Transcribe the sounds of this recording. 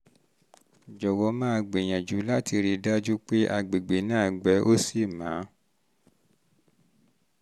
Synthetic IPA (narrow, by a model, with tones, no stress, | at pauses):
d͡ʒɔ˨wɔ˧˦mã˦˧ɡ͡be˨j̃ã˨d͡ʒu˨˦la˦ti˧ɾi˧da˦d͡ʒu˦k͡pe˦ʔa˧ɡ͡be˨ɡ͡be˨nãː˦˨ɡ͡bɛ˨˦ʔo˦si˦˨mã˨˦